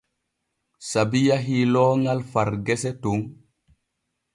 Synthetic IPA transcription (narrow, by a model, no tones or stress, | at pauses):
sabijaɦilɔːŋalfaɾɡɛsɛtuŋ